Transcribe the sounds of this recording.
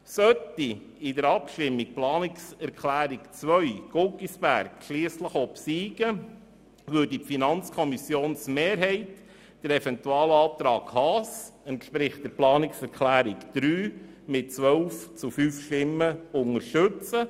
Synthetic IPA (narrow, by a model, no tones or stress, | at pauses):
sœti | ɪdəɾɑpʃtɪmːik̚plɑːnɪksɛɾkʰlæːɾikt͡sʋœɥɡ̥ɔkisb̥æ̰ɾkʃliəsləχɔpsiːɡ̥ə | ʋʏdipfinɑnt͡skʰɔmisjoːnsmeːɾɦɛɪt | d̥əɾɛfɛnt̪uɑːlɑːp̚t̪ɾɑːkhɑːsɛntʃpɾɪχtdəɾplɑːnɪksɛɾkʰlæːɾikd̪̥ɾyː | mɪt̚t͡sʋœlft͡sufyːfʃtɪmːəʊŋəɾʃtɵt͡sə